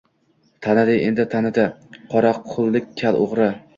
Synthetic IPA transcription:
t̪ʰanɪd̪ɪjʔḛnd̪ɪt̪ʰanɪd̪ɪqʰɒɾaqʰːʊlˠːɪkʲkʲʰːalo̰ʁɾɪ

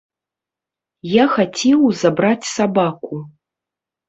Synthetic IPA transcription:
jaxat͡sʲɛwzabɾat͡sʲsabaku

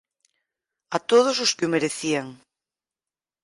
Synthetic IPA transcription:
at̪oð̞ʊsʊskɪomeɾeθiaŋ

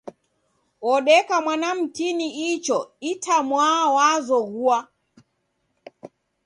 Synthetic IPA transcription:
wɔɗɛkamwanam̩kiniit͡ʃɔitʰamwawazɔɣua

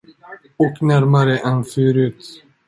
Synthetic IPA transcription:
ɔknæɾmaɾəʔɛnføːɾʉ̟ːt̪

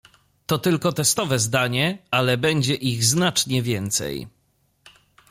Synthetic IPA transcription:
t̪ɔt̪ɘlkɔt̪ɛst̪ɔvɛzd̪aɲɛalɛbɛɲd͡ʑɛʔiɣznat͡ʂɲɛvʲjɛnt̪sɛ̰j

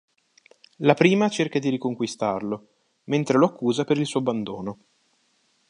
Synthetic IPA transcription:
lapɾiːmat͡ʃerkad̪iɾikoŋkwist̪arlo | ment̪ɾeloakʰːuːzapeɾilsuːoabːand̪oːno

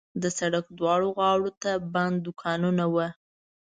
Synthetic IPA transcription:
d̪əsaɽakd̪wɑɽoɣɑwɽot̪aband̪ːʊkʰɑnunawə

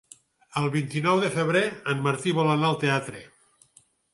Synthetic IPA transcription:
əlˠβint̪inɔwðefeβɾeənmaɾt̪iβolanalˠt̪eat̪ɾe

